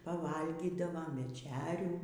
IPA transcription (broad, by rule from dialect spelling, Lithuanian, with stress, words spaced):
pɐˈʋɐlʲɡʲiːdɐʋoːm ʋʲɛˈt͡ʃʲæːrʲuː